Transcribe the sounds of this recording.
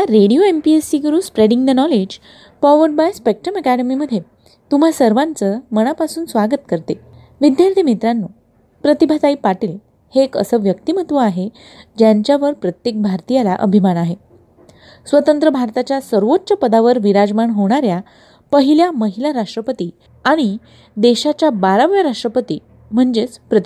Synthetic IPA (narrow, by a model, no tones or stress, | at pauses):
aɾeɽijoempiesiɡəɾuːspɾeɽiŋd̪ənɔled͡ʑ | pɔʋəɾɖbajspek̚ʈɾəməkɛɽəmiməd̪ʱːje | t̪um̤asəɾʋãnt͡səməɽ̃apasuːnsʋaɡət̪kəɾt̪e | ʋid̪jaɾt̪ʰimit̪ɾanːo | pɾət̪ibʱad̪aipaʈiːl | heːkə̰səʋjəkt̪im̤ət̪ʋəaɦe | d͡ʑjaɲt͡ɕaʋəɾpɾət̪jek̚bʱaɾt̪ijalaʔə̰bʱimanaɦe | sʋət̪ənt̪ɾəbʱaɾt̪at͡ɕjasəɾʋotːɕəpəd̪aʋəɾʋiɾad͡zmaɳɦoɽ̃aɾja | pəɦiljaməɦilaɾaʂʈɾəpət̪i | aɽ̃i | d̪eɕat͡ɕjabaɾaʋjaɾaʂʈɾəpət̪ḭː | m̤əɳd͡ʑet͡spɾət̪